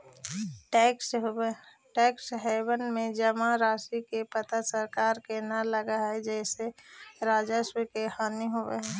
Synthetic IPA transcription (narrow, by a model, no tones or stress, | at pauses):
ks | ʈɛksɦɛbənmẽd͡ʒəmaɾasikepət̪asəɾkaːɾkenaləɡaɦɛd͡ʒɛseɾaːd͡ʒaswikehaniɦobḛɦɛ̃